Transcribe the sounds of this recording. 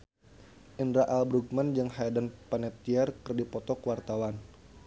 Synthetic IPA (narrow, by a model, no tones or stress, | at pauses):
ʔindɾaʔalbɾuɡ̚mand͡ʒɨŋhaadanpanɛp̚t̪iɛrkərdipɔt̪ɔkwart̪awan